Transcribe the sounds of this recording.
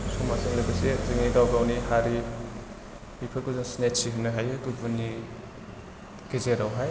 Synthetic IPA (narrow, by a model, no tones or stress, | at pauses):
sumasɯŋlɯbɯseziŋniɡawɡawnihaɾi | mipʰɯkuzɯŋsnetsiɦɯnaɦajɯɡubuni | ɡ̥izeɾawɦaj